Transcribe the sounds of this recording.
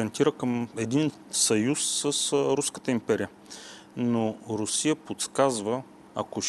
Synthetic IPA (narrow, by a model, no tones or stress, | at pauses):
ɛnt̪iɾəkəmɛd̪in | sɐjusːəsɾuskə̥t̪əimpɛɾijə | noɾʊsijəpot̪skazvə | ɐ̰koʃ